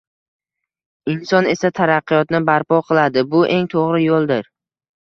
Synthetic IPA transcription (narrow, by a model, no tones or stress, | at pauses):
ɪnsɒne̞sat̪ʰaɾɑqːɨjɒt̪nɪbaɾpɒqʰɨlˠad̪ɪbʊʔe̞ŋt̪ʰoʁɾɪjolˠd̪ɪɾ